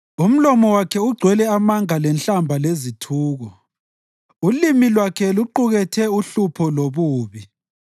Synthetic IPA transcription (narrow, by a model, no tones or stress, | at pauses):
um̩lɔmɔwakʰɛuɡ͡ǀʱwɛlɛamaŋalɛnt͡ɬambʱalezitʰuːɣɔ | ulimilwakʰɛluǃuɣɛtʰɛuɬupʰɔloβuːβi